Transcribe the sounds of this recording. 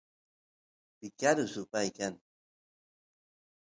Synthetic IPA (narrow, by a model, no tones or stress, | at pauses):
pɪkaɾʊsʊpajkaŋ